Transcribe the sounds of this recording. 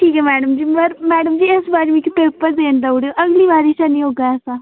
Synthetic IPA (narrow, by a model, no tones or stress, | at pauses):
ʈʰiːkɛːmɛːɽəmd͡ʒiːbəɾmɛːɖəmd͡ʒiːɪsbaːɾemĩkipeːpəɾd̪eːnd̪auɽeoʔəɡliːbaːɾiːʃanĩːɦoːɡaːɛːsãː